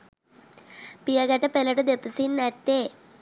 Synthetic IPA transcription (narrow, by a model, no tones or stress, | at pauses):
pijɐɡɐʈːɐpelɐʈɐd̪epːusinːɐt̪ːe